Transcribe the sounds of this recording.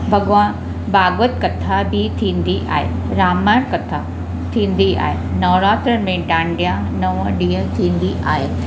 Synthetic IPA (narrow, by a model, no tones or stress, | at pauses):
bɐɡʋã | baːɡʋət̪kɐt̪ʰabʱit̪ʰĩːn̆d̪iʔa̰ːɦḛ | ɾaːmaːɾkɐt̪ʰa | t̪ʰĩːn̆d̪ia̰ːɦe | nɔːʋɾaːt̪ɾəmẽɖãːɳɖjã | nɐʋəɗĩːə̃t̪ʰĩːn̆d̪iʔaːɦeː